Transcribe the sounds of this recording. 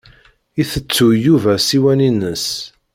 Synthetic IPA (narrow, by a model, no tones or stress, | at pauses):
iθət͡sːujuvæsiwæninəs